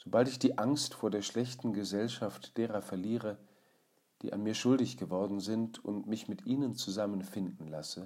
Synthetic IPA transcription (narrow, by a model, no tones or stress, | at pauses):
z̥obaltɪçd̥iːʔaŋstfoːɐdeːɐʃlɛçtn̩ɡəzɛlʃaftd̥eːʁɐfɛɐliːʁə | d̥ḭːʔa̰nmiːɐʃʊldɪçɡ̥əvɔɐdn̩zɪntʰʊ̰ntmɪçmɪtʔiːnənt͡suzamənfɪndn̩lasə